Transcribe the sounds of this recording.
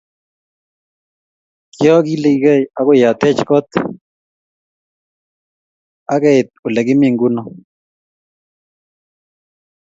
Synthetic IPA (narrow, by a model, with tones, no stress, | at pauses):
kɪ˦ɔ˦ɡi˦li˨˦ɡe˦˨ja˦kʊ˦ja˨t̪ɛ˦t͡ʃkɔ˦t̪ | a˦kɛ˦ɪ˨t̪̚ʊ˨lɛ˨ɡɪ˦mi˦˨ŋɡu˦nɔ˦